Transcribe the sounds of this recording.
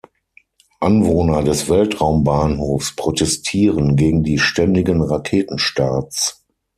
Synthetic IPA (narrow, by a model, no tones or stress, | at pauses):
ʔanvoːnɐdɛsv̥ɛltʁaʊmbaːnhoːfspʁ̥otʰɛstʰiːʁənɡeːɡŋ̩diːʃtɛndɪɡənʁakʰeːtn̩ʃtaːt͡s